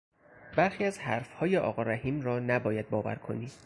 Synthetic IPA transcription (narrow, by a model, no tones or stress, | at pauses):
bæɾxiːæzhæɾfhɒːjeʔɒːɣɒːɾæhiːmɾɒːnæbɒːjæd̪̚bɒːvæ̰ɾkʰoni̥ː